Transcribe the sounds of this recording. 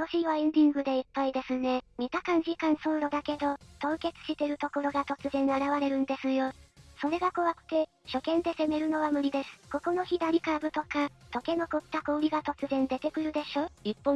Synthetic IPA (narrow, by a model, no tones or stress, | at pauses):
moɕiβaẽ̞nd̪ʲĩŋɡɯ̟d̪e̞ipːaid̪e̞sɨne̞mʲit̪akãɲ̟d͡ʑikãɰ̃soːɾo̞d̪ake̞d̪o̞t̪o̞ːke̞t͡sɨ̥ɕit̪e̞ɾɯ̟t̪o̞ko̞ɾo̞ɡat̪o̞t͡sɨzẽ̞ɰaɾaβaɾe̞ɾɯ̟̃nd̪e̞sɨjo̞so̞ɾe̞ɡako̞βakɯ̟̥t̪e̞ | ɕo̞kẽ̞nd̪e̞se̞me̞ɾɯ̟no̞βamɯ̟ɾʲid̪e̞sɨ̥ko̞ko̞no̞çid̪aɾʲikabɯ̟t̪o̞kat̪o̞ke̞no̞kot̪ːako̞ːɾʲiɡat̪o̞t͡sɨzẽ̞nd̪e̞t̪e̞kɯ̟ɾɯ̟d̪e̞ɕo̞ːipːõ